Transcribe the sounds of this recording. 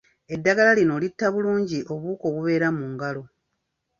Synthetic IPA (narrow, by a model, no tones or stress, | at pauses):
e̞dːaɡalalino̞ːlitːaβuluːɲɟiʔo̞βuːko̞ːβuβe̞ːɾamuːŋɡalo̞